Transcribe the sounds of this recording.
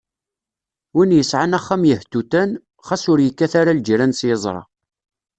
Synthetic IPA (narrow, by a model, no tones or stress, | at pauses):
winjəsʕanæχːamjəht̪ut̪æn | χasʊɾjəkːæθaɾald͡ʒɾænsjəzˤɾˤɑ̰